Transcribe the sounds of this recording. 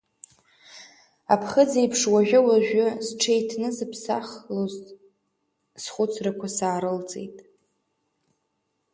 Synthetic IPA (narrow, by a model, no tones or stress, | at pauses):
a̰pʰχəd͡zejpʰʂwaʒʷᶣʊwaʒᶣʷʊzʈ͡ʂʰejtʰnɨzɨpʰsaχlozʼ | sχʷʊt͡sʰrakʷʰasaːɾɨlt͡sʼḛjtʼ